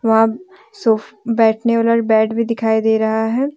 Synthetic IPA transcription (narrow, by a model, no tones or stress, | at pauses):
ʋɐɦã | soːpʰbɛːʈʰneoːləɾbɛːɖbʱid̪ɪkʰaːid̪eːɾɐɦaɦɛː